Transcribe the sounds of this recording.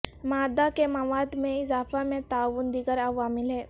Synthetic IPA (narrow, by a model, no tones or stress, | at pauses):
maːd̪akemɐʋaːd̪mẽɪzaːfamẽt̪aːʋund̪iɡəɾɐʋaːmɪleː